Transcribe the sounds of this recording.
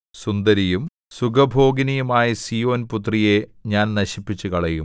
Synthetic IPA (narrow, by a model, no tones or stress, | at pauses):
sund̪ɐɾijum | suɡɐbʱo̞ːɡinɐjumaːjɐsiːo̞ːnput̪̬rijeɲaːnnɐɕipːit͡ɕːukɐɭɐjum